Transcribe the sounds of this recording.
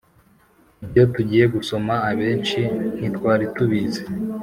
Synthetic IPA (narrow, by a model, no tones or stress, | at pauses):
ibjo̞tuɟiːje̞ɡuso̞maːβe̞ːnt͡ʃin̥itkwaːɾituβize